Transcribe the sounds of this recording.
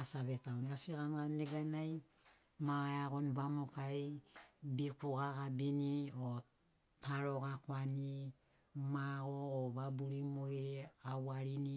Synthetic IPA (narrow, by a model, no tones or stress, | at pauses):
asaβetaoniasikanɡaneɡanaj | maajakoniβamo̞kajbikuɡakabinio | taɾo̞kakoani | maɡoːβabuɾimoiɾeawaɾini